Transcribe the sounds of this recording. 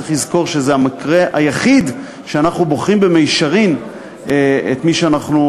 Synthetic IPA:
eχlizko̞ʁʃezeamakʁeʔa̰jaχid̪ | ʃeanaχnuboχʁimbemejʃaʁin | ḛt̪miʃeanaχnu

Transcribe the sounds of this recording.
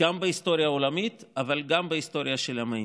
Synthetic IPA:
ambehist̪o̞ɾjaolamit̪avalɡambehist̪o̞ɾjaʃelama

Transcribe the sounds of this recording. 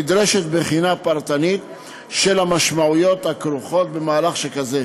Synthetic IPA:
id̪ɾeʃe̞t̪beχinapaʁt̪anit̪ | ʃe̞lamaʃmaujo̞t̪hakɾuχo̞t̪̚be̞maːlaχʃekaze

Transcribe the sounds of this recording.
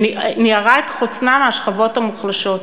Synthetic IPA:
niniaʁaetχut͡snameaʃχavot̪hamuχlaʃo̞t̪

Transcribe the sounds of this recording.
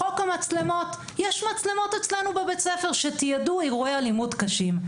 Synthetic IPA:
o̞kamat͡slemo̞t̪ | jeʃmat͡slemo̞t̪et͡slenubebet͡sefeʁʃet̪ijaduiʁoealimudkaʃim

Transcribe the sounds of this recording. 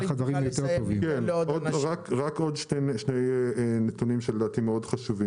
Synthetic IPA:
χazaʁimjot̪eʁtovimkenodʁakʁako̞d̪ʃeʃnejnet̪unimʃeled̪aːt̪imeo̞dχaʃuvim

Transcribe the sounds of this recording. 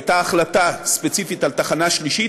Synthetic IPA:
t̪aːχlat̪aspet͡sifit̪alt̪aχanaʃliʃi

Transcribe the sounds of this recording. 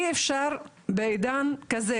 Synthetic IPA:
efʃaʁ | beejd̪ankaze

